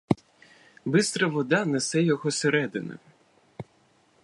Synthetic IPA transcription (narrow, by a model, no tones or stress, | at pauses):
bɪst̪ɾɐʋɔd̪ɑnesɛjɔɦɔseɾɛd̪ɪnɛ̰